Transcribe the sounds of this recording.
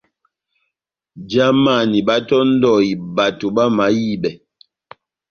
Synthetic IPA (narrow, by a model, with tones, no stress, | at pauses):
d͡ʒa˦ma˦˨ni˨ba˦tɔ˦n̩˦dɔ˦˨i˨ba˨to˨ba˦ma˨˦ji˦˨bɛ˨